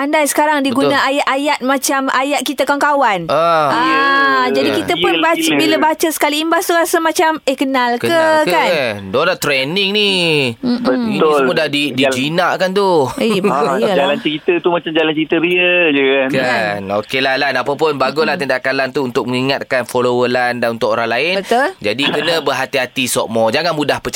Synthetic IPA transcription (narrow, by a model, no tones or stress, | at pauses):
andajsə̥kaɾaŋdiɡunaʔajaʔajat̪̚mãt͡ʃama̰jat̪̚kit̪akaŋkawanaad͡ʒadikit̪əʊbat͡ʃəbiləbat͡ʃəsə̥kaliːmbast̪uɾasamãt͡ʃamekənalkəəkkandodat̪ɾɛniŋni | əiʊlmudahdidid͡ʒinaʔkant̪u | d͡ʒalant͡ʃəɾit̪ət̪umat͡ʃamd͡ʒalant͡ʃəɾit̪əɾiəd͡ʒəkankanokelalanapapʊnbaɡʊlaht̪əndaʔkalant̪uːnt̪ʊk̚məŋiŋat̪̚kanfolowəlandanunt̪ʊkoɾaŋlaɪnbət̪ʊld͡ʒadikənə̃bərɦat̪iɦat̪isɔ̰ʔmɔd͡ʒaŋanmudahpət͡ʃ